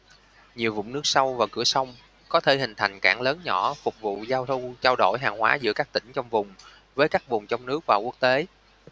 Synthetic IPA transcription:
ɲi˨˩əwvʊ̰˧˨ŋ͡mnɨ˦˥ək̚sa˧wvaː˨˩kɨ̰˧˩əsa˧wŋ͡m | kɔ˨˦t̪ʰe˧˩hï˨˩ŋ̟t̪ʰa˨˩jŋ̟kaː˧˩ŋləː˨˦nɲɔ˧˩fʊ˨˩k͡p̚vṵ˧˨zaː˧wt̪ʰu˧ŋ͡mt͡ɕaː˧wɗo˧˩jɦaː˨˩ŋhwa̰ː˨˦zɨ̰˧˥əkaː˦˥k̚t̪ï˧˩ŋ̟t͡ɕɔ˧wŋ͡mvʊ˨˩ŋ͡m | vəː˨˦jkaː˦˥k̚vʊ˨˩ŋ͡mt͡ɕwŋ͡mnɨ˦˥ək̚vaː˨˩ku˦˥ək̚t̪e˨˦

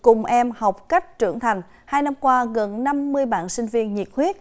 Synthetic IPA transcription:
kʊ˨˩ŋ͡mʔɛ˧mha˨˩wk͡p̚ka˦˥jk̟̚t͡ɕɨ̰˧˩əŋt̪ʰa˨˩jŋ̟ | haː˧jna˧mkwaː˧ɣə˨˩nna˧mːɨ˧əjɓa̰ː˧˨nsï˧ŋ̟vi˧ənɲi˨˩t̚hwi˦˥ət̚

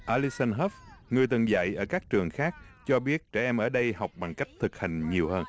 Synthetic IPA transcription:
ʔaː˧li˦˥sa˧nɦɔ˦˥fŋɨ˨˩əjt̪ɨ˨˩ŋza̰˧˨jʔəː˧˩kaː˦˥k̚t͡ɕɨ˨˩əŋxaː˦˥k̚t͡ɕɔ˧ɓi˦˥ət̚t͡ɕɛ˧˩ʔɛ˧mʔəː˧˩ɗə˧jha˨˩wk͡p̚ɓa˨˩ŋka˦˥jk̟̚t̪ʰɨ˨˩k̚ha˨˩jŋ̟ɲi˨˩əwhəː˧n

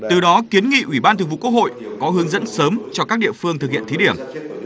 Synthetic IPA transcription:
t̪ɨ˨˩ɗɔ˨˦ki˨˦ənŋḭ˧˨ʔwi˧˩ɓaː˧nt̪ʰɨ˨˩ŋvṵ˧˨kwək̚ho̰˧˨jkɔ˨˦ɦɨ˨˦əŋzə̰˧˥nsəː˨˦mt͡ɕɔ˧kaː˦˥k̚ɗḭ˧əfɨ˧əŋt̪ʰɨ˨˩k̚hḭ˧˨ənt̪ʰi˨˦ɗi˧˩əm

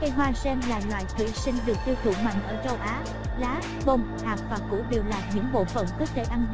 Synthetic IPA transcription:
kə˧jɦwaː˧sɛ˧nlaː˨˩ɲwa̰ː˧˨jt̪ʰwḭ˧˨sï˧ŋ̟ɗɨ˨˩ək̚t̪i˧wt̪ʰṵ˧˩mwa̰˧˨jŋ̟ʔəː˧˩t͡ɕə˧wʔaː˨˦ | laː˨˦ | və˧˩wŋ͡m | haː˨˩p̚vaː˨˩kṵ˧˥ɗi˨˩əwlaː˨˩t̚ɲɨ̰˧˥ŋɓo̰˧˨fə̰˧˩nkəː˦˥t̚t̪ʰe˧˩ʔa˧n

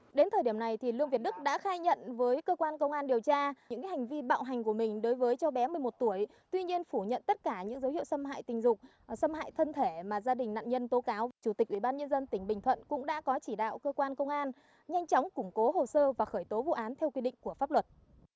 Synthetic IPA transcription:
ɗe˨˦nt̪ʰə˨˩jɗi˧˩əna˨˩jt̪ʰi˨˩lɨ˧əŋvt̚ɗɨ˦˥k̚ɗa̰ː˧˥xaː˧jɲə̰˧˨nvəː˨˦jkəː˧kwaː˧nkə˧wŋ͡mʔaː˧nɗi˨˩əwt͡ɕaː˧ɨ̰˥ŋkaː˨˦ha˨˩ŋ̟vi˧ɓa̰ː˧˨wɦa˨˩jŋ̟ku˧˩əmï˨˩ŋ̟ɗo˨˦jvəː˨˦jt͡ɕɔ˧ɓɛ˨˦mɨ˨˩əjmo˨˩t̚t̪u˧˩əj | t̪wi˧ɲi˧ənfu˧˩ɲə̰˧˨nt̪ə˦˥t̚kaː˧˩ɲɨ̰˧˥ŋzə˨˦whḭ˧˨əwsə˧mɦa̰ː˧˨jt̪ï˨˩ŋ̟zʊ˨˩k͡p̚ | sə˧mha̰ː˧˨jt̪ʰə˧nt̪ʰe˧˩maː˨˩zaː˧ɗï˨˩ŋ̟na̰ː˧˨nɲə˧nt̪o˨˦kaː˨˦wvaː˨˩t͡ɕu˧˩t̪ï˨˩k̚ʔwi˧˩ɓaː˧nɲə˧nzə˧nt̪ï˧˩ŋ̟ɓï˨˩ŋ̟t̪ʰwə̰˧˨nkʊ̰˧˥ŋ͡mɗa̰ː˧˥kɔ˨˦t͡ɕi˧˩ɗa̰ː˧˨wkəː˧kwaː˧nkə˧wŋ͡mʔaː˧n | ɲa˧jŋ̟t͡ɕɔ˨˦wŋ͡mkʊ˧˩ŋ͡mko˨˦ɦo˨˩səː˧vaː˨˩xəː˧˩jt̪o˨˦vṵ˧˨ʔaː˨˦nt̪ʰɛ˧wkwi˧ɗḭ˧˨ŋ̟ku˧˩əfaː˦˥p̚lwə˨˩t̚

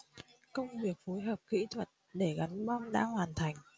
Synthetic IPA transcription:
kə˧wŋ͡mvi˨˩ək̚fo˨˦jɦəː˨˩p̚kḭ˧˥t̪ʰwə˨˩t̚ɗe˧˩ɣa˨˦nɓa˧mɗa̰ː˧˥hwaː˨˩nt̪ʰa˨˩jŋ̟

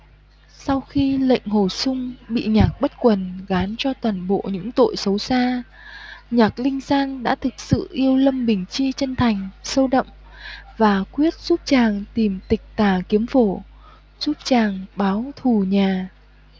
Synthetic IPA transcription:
sa˧wxi˧lə̰˧˨jŋ̟ho˧˩sʊ˧ŋ͡mɓḭ˧˨ɲaː˨˩k̚ɓə˦˥t̚kwə˨˩nɣaː˨˦nt͡ɕɔ˧t̪waː˨˩nɓo̰˧˨ɲɨ̰˧˥ŋt̪o̰˧˨jsə˨˦wsaː˧ | ɲaː˨˩k̚lï˧ŋ̟zaː˧nɗa̰ː˧˥t̪ʰɨ˨˩k̚sɨ̰˧˨ʔi˧əwlə˧mɓï˨˩ŋ̟t͡ɕi˧t͡ɕə˧nt̪ʰa˨˩jŋ̟sə˧wɗə̰˧˨ŋ͡m | vaː˨˩kwi˦˥ət̚z̥u˦˥p̚t͡ɕaː˨˩ŋt̪i˨˩mt̪ï˨˩k̟̚t̪aː˨˩ki˨˦əmfo˧˩ | z̥u˦˥p̚t͡ɕaː˨˩ŋɓaː˨˦wt̪ʰu˨˩ɲaː˨˩

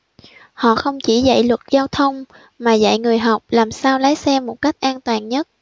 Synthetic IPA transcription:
hɔ̰˧˨xə˧wŋ͡mt͡ɕi˧˩zə̰˧˨jlwə˨˩t̚zaː˧wt̪ʰə˧wŋ͡m | maː˨˩za̰˧˨jŋɨ˨˩əjɦa˨˩wk͡p̚laː˨˩msaː˧wlaː˨˦jsɛ˧mːo˨˩t̚ka˦˥jk̟̚ʔaː˧nt̪waː˨˩nɲə˦˥t̚

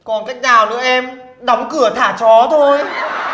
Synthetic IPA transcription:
kɔ˨˩nkaː˦˥jk̚naː˨˩wnɨ̰˧˥əʔɛ˧m | ɗɔ˨˦wŋ͡mkɨ˧˩ət̪ʰaː˧˩t͡ɕɔ˨˦t̪ʰo˧j

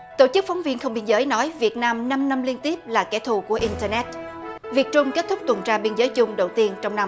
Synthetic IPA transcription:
t̪o˧˩t͡ɕɨ˦˥k̚fɔ˨˦ŋ͡mvi˧nxə˧ŋ͡mɓi˧ənzəː˨˦jnɔ˨˦jvi˨˩ət̚naː˧mna˧mna˧mli˧ənt̪i˦˥əp̚laː˨˩kɛ̰˧˩t̪ʰu˨˩ku˧˩əʔi˧nt̪əː˧nɛ˦˥t̚vi˨˩ək̚t͡ɕʊ˧ŋ͡mke˦˥t̚t̪ʰʊ˦˥k͡p̚t̪wə˨˩nt͡ɕaː˧ɓi˧ənzəː˨˦jt͡ɕʊ˧ŋ͡mɗə˨˩wt̪i˧ənt͡ɕɔ˧wŋ͡mna˧m

